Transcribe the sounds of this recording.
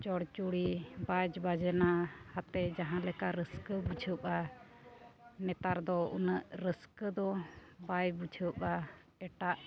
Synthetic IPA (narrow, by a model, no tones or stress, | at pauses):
t͡ʃɔɽt͡ʃuɽibad͡ʒbad͡ʒɛnahat̪ɛd͡ʒaɦãlɛkaɾəskəbud͡ʒʰʱəpa | nɛt̪aɾd̪ɔṵnəʔɾəskəd̪ɔbad͡ʒbud͡ʒʰʱəpa | ɛʈaʔ